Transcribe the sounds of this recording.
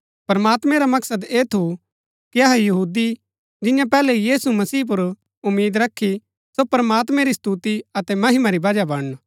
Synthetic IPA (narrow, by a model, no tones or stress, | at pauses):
pɐɾmaːt̪mɛ̃ɾamɐksəd̪eːt̪ʰu | kiɐɦɛjɐɦuːd̪i | d͡ʒɪjãpɛːlɛijiːsumɐsiːp̬ʊɾ | ʊmːiːd̪ɾɐkʰːi | sopɐɾɐmaːt̪mɛ̃ɾist̪ut̪iɐt̪ɛmɐɦɪmaɾibɐd͡ʒabɐɽ